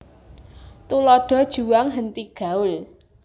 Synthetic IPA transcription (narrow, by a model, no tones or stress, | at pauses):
t̪ulɔɖ̥ɔ̤d̥ʒ̥ṳwaŋɦənt̪iɡ̥a̤ʊl